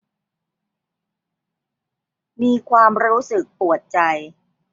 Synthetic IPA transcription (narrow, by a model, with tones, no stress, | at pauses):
miː˧kʰwaː˧mɾuː˦˥sɯ˨˩k̚pu˨˩ət̪̚t͡ɕa˧j